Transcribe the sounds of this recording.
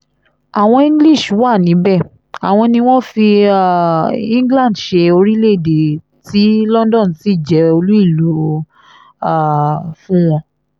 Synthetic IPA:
a˨w̃ɔ̃˧ĩ˦ɡli˦˨ʃwa˦˨nĩ˨˦bɛ˦˨ | a˨w̃ɔ̃˧nĩ˧w̃ɔ̃˦fi˧˦˨ | ĩ˦ɡlã˦˨dʃe˧o˧ɾi˦le˦˨de˨ | ti˨˦lɔ̃˦ndɔ̃˦˨n̩˨ti˦˨d͡ʒɛ˨˦o˧lu˦i˦˨lu˨˦ | a˦˨fũ˦w̃ɔ̃˧

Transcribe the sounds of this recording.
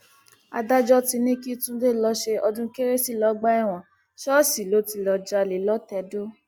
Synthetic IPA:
a̰˧da˦d͡ʒɔ˦ti˧nĩ˦ki˦tũ˦de˦˨lɔ˧˦ʃe˧ɔ˧dũ˦ke˦ɾe˦si˦˨lɔ˨˦ɡ͡ba˦ɛ˦˨w̃ɔ̃˨ | ʃɔ˦si˨lo˨˦ti˧lɔ˧d͡ʒa˧li˨lɔ˦tɛ˧˦do˦

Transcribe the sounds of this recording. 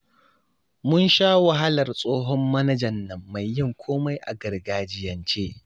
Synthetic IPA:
mʊ˦nʃaː˦wa˨ɦa˦lɐ˨rsʼoː˦ɦɔ˦mːɐ˦nɐ˦d͡ʒɐ˨nːɐ˨mːa˨jːɪ˦ŋkʷʰoː˦ma˦jʔa̰˨ɡɐ˨rɡaː˨d͡ʒɪ˦jɐ˨nt͡ʃeː˦

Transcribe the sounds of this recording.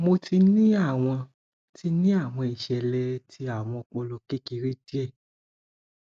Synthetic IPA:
mo˧ti˧nĩ˦a˦˨w̃ɔ̃˧ | ti˧nĩ˦a˦˨w̃ɔ̃˧i˨ʃɛ˨lɛ˧ti˧a˦˨w̃ɔ̃˧k͡pɔ˧lɔ˧˨ke˦ki˧ɾi˦di˦ɛ˦˨

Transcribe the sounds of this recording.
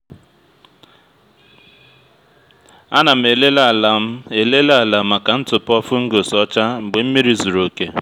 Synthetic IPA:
a˦na˨m̩˦˨e˨le˦la˦˨la˨˦e˨le˦lla˨ma˨ka˨n̩˦t͡sʊ˨pɔ˦fu˦ŋ̩˦ɡo˨sɔ˦t͡ʃa˦ŋ͡m̩˨ɡ͡be˨˦m̩˦mi˦ɾi˦zu˨ɾo˨ke˨

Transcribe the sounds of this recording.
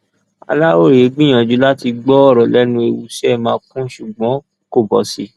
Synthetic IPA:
a̰˧la˦o˦˨ɾi˨e˨˦ɡ͡bĩ˦j̃ã˨d͡ʒu˨˦la˦ti˧ɡ͡bɔ˦ɔ˦˨ɾɔ˨lɛ˦nũ˧˦e˨wṵ˨˦ʃɛ˦˨mãː˧˦˧kũ˦ʃu˨ɡ͡bɔ̃˨˦ko˦˨bɔ˨si˧˦

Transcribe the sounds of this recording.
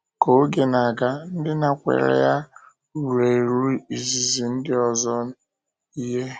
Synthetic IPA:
ko˨o˦ɡe˨na˨ɡa˦n̩˦dɪ˦na˨kʷḛ˨ɾḛ˦ja˦ | u˨ɾe˨ɾu˦i˨zi˨zi˨n̩˦dɪ˦ɔ˨zɔ˦n̩˦ | i˦ɦe˦

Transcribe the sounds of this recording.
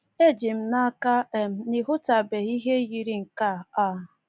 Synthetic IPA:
e˦˨d͡ʒi˨m̩˦na˦ka˦e˨m̩˦ni˨ɦʊ˦ta˨be˨i˦ɦe˦ji˨ɾi˦ŋ̩˨ka˦˨a˦˨

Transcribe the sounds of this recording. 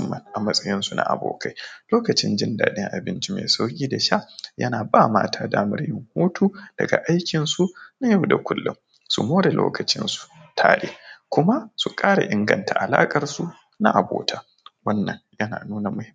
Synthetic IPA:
mːɐ˨nʔa˨mɐ˦sʼɐ˦jɪ˦nsu˨na̰˨ʔa̰˨bo̰ː˨kʰa˦jloː˦kɐ˨t͡ʃɪ˦nd͡ʒɪ˦nda̰ː˨ɗɪ˦ŋʔa̰˨bɪ˦nt͡ʃi˦mḛː˨sa˦wkʲiː˦da˨ʃa˦jɐ̰˦naː˨baː˦ma̰ː˦tʰaː˦daː˦mɐ˦ɾjɪ˦˨ŋhoː˦tʰuː˦d̥ɐ˨ɡa̰˨ʔa˦jkʲɪ˨nsu˦na˦ja˦wda˨kʷʊ˦lːʊ˦m | sṵ˨moː˦ɾe˨lo̰ː˦kɐ˨t͡ʃɪ̰˦nsu̥˨tʰa̰ː˦ɗeː˦kʷʊ˦ma˦su˨kʼaː˦ɽa̰˨ʔɪ˦ŋɡɐ˨ntʰa˨ʔa˨laː˦kʼɐ˨rsu˦ | na˦ʔa˨boː˨tʰa˦ | wɐ˦nːɐ˨njɐ˦na̰ː˨nuː˦na˨mʊ˦hɪ˦

